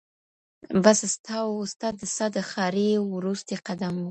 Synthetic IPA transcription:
basst̪ʰɑst̪ɑd̪əsɑd̪əxɑɾewɾust̪eqad̪amwu

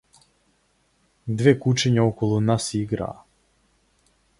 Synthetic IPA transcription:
d̪ʋeːkut͡ʃeɲaokolˠunasiɡɾa̰ː

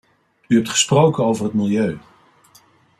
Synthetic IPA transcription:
yɛp̚tχə̥sprowkənowvərɦətmɪlˠjøɥ

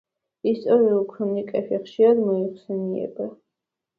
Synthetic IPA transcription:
ist̪ʼɔɾiuulˠkʰɾunikʼɛfiχʃiɾad̪mɔiχsɛniɛ̰ba

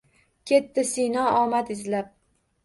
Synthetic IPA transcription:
kʲʰe̞t̪ːɪsɪjnɒɒmat̪ɪzlap̚

